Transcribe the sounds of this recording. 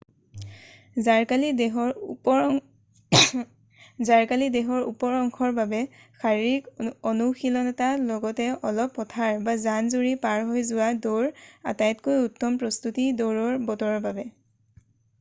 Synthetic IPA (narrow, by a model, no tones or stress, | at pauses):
zaɹkali | zaɹkalidɛɦɔɹṵpɔɹɔŋkʰɔɹbabɛ | xʰaɹikɔnuxilɔnɛtalɔɡɔtɛɔlɔpːɔtʰaɹbazanzuɹipaɹɦojzʊwadoɹa̰tajtkojutːɔmpɹɔstutidoɹɔɹbɔtɔɹɔɹbabɛ